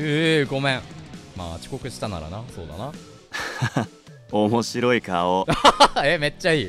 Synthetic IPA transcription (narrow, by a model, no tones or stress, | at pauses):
eɡo̞mẽŋma̰ːt͡ɕi̥ko̞kɯ̟ɕi̥t̪ana̰ɾa̰naso̞̰ːd̪a̰na | omoɕiɾo̞ikaoeme̞t͡ɕːaiː